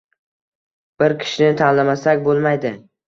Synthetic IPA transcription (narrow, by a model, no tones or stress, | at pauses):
b̥ɪɾkʲʰɪ̥ʃɪnɪt̪ʰanlamasakʲbolˠmajd̪ɪ